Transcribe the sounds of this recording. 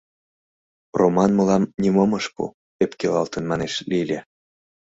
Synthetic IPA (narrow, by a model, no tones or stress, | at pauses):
romɑnmɤ̆lɑmnʲimomɤʃpṵ | epkelɑlt̪ənmɑneʃlilʲe